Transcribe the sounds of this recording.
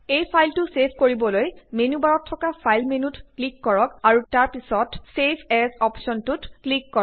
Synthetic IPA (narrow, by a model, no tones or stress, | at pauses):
ejpʰajltʊsepʰkoɹibɔlojmenubaɹɔtʰːɔkapʰajlmenutklikːɔɹɔkaɹutaɹpisɔtsepʰɛzɔpsɔntʊtklikːɔɔ